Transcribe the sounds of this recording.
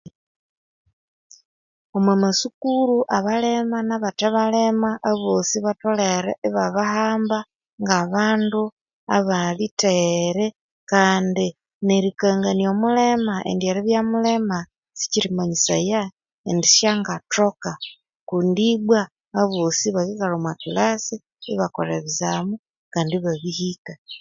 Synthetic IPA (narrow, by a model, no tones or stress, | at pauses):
omwemasukuɾuʔaβalemanaβataβalemaʔaβosiβatoleɾḛβaβahaːmba | ŋɡaβaːndu | aβaliteɾe | kaːndi | neɾikaːŋɡanijomulemaʔḛndjeɾeβjamulema | si̥ciɾimaɲisa̰ja | endiʃaŋɡatoka | kundiβwaː | βosiβaɣikalomwakilasi | iβako̰ɾeβizamu | kaːndiβaβihika